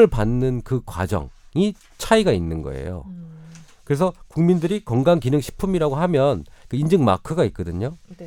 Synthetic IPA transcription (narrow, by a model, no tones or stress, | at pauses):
ɯɭpanːɯnkɯkwa̰d͡ʑʌ̰ŋi | t͡ɕʰaiɡainːɯnɡʌ̰e̞̰jo̰ | kɯɾe̞s̬ʰʌkuŋmindɯɾikʌŋɡaŋkinɯŋɕʰi̥pʰumiɾaɡoɦamjʌnkɯind͡ʑɯŋma̰kʰɯɡait̚k͈ʌdɯɲo